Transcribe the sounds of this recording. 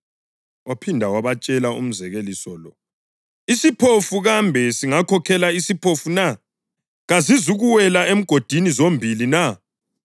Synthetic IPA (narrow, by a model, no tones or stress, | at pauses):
opʰindʱawaβat͡ʃʼɛlaṵm̩zɛɣelisɔlɔ̰ | isipʰofuɣambʱɛsiŋakʰɔkʰɛlaisipʰofuna | ɣazizuɣuwɛlaem̩ɡ̥ʱod̥ʱinizombʱilina